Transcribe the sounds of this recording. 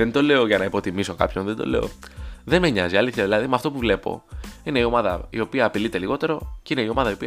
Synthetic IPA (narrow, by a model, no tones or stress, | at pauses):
ent̪o̞le̞oʝɐnɐipo̞t̪imiso̞kɐ̰pço̞nðend̪o̞̰le̞o̞̰ðenmeɲɐziɐliθçɐðilɐðimɐft̪o̞puvle̞po̞̰ine̞io̞mɐðɐḭo̞piɐːpilit̪e̞liɣo̞t̪e̞ɾo̞ceine̞io̞mɐðɐio̞piɐ